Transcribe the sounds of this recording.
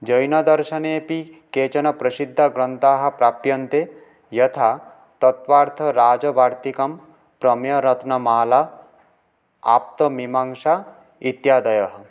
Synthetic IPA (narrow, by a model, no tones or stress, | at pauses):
d͡ʒʌjnɔd̪ɔɾʃɐneːpiket͡ʃɔnɔpɾɐsid̪ʱːaɡɾɔnt̪aɦɐpɾapjɔnt̪e | jʌt̪ʰa | t̪ɔt̪ʋaːɾt̪ʰɔɾaːd͡ʒɔbaːɾt̪ikɔm | pɾɔmjɔɾɔt̪nɔmaːla | a̰p̚t̪ɔmimaŋʃa | it̪jad̪ɔjɔɦɔ